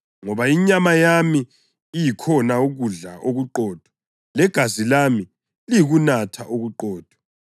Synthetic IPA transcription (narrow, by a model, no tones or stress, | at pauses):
ŋɔβaiɲamajamiː | jikʰɔnauɣuɮaʔoɣuǃɔːd̥ʱɔ | lɛɡ̥ʱazilami | liɣunatʰaʔoɣuǃɔːd̥ʱɔ̥